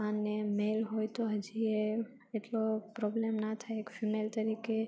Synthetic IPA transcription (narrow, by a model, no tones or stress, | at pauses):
anːemelɦojt̪oɦəd͡ʒie | eʈlopɾɔblemnat̪ʰajekfimelt̪əɾike